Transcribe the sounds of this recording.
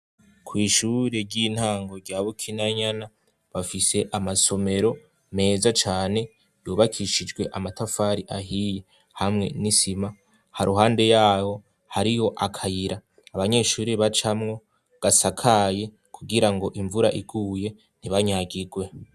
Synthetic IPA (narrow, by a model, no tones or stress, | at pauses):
kʰwiːʃuɾe̞ɾɟiːn̥haːŋɡo̞ɾɟaβukʰinaɲana | βafise̞ʔamaso̞me̞ɾo̞ | me̞ːzat͡ʃaːne̞ | juːβakʰiʃid͡ʒɡwe̞ʔamatafaɾiʔahije̞ | hamŋe̞̰nisima | haɾuɦaːnde̞jaːho̞ | haɾijo̞ʔakʰajiɾaː | βaɲe̞ːʃuːɾiβat͡ʃamŋo̞ | ɡ̥asakʰaje̞ | kʰuɡiɾaŋɡo̞ʔiɱvuɾaʔiɡuːje̞ | n̥iβaɲaɡiɡwe̞